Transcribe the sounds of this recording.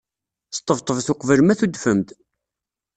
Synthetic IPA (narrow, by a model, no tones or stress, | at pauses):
t̪ˤːəvt̪ˤəvθʊqvəlmæθud̪fəmt̪